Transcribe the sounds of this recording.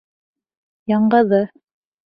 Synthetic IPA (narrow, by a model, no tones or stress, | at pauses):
jɑɴɢɤ̆ðɤ